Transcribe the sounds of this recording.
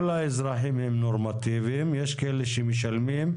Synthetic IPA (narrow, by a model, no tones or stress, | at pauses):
laːizɾaɦimɦemnoɾmɐt̪iːʋemjɐʃkeleʃimiʃɐlmim